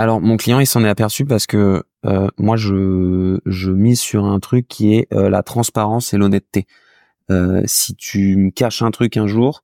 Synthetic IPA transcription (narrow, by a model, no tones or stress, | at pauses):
alɔʁmɔ̃klijɑ̃ilsɑ̃nɛapɛʁsypaʁsə̥kə | ømwaʒə | ʒəmizsyʁɛ̃t̪χykʲʰːiɛʔøla̰t̪χɑ̃spaʁɑ̃selɔnɛt̪ːe | øsit̪ʰyməkaʃɛ̃t̪χykɛ̃ʒuːʁ